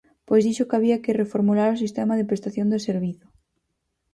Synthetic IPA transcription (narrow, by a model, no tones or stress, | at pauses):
pojzðiʃokaβ̞iakɪrefoɾmulaɾos̬ist̪ɛmaðepɾest̪aθjond̪eseɾβ̞iθʊ̥